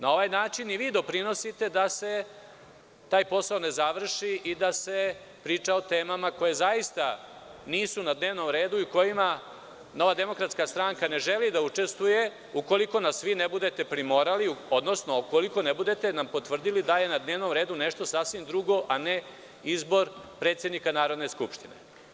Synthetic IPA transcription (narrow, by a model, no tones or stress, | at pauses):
nao̞ʋajnaːt͡ʃiniʋiːd̪o̞pɾino̞sit̪e̞d̪ase̞ | t̪aːjpo̞saone̞zaʋr̩ʃiʔid̪ase̞ | pɾiːt͡ʂaot̪e̞ːmamako̞je̞zaist̪aniːsunad̪ne̞ːʋno̞mɾe̞ːd̪uiuko̞jima | no̞ʋad̪e̞mo̞kɾat̪skast̪ɾaŋkane̞ʒelid̪aut͡ʂe̞st̪ʋuje̞ | uko̞liko̞nasʋinebud̪e̞t̪e̞pɾimo̞ɾaliuo̞d̪nosnokoliko̞nebud̪e̞t̪e̞nampo̞t̪ʋr̩d̪ilid̪ajenad̪ne̞ːʋno̞mɾe̞ːd̪une̞ʃt̪o̞sasʋimd̪ɾuɡo̞ʔane | izbo̞ɾpɾet̪sje̞d̪nikanaːɾo̞d̪ne̞skupʃt̪inḛ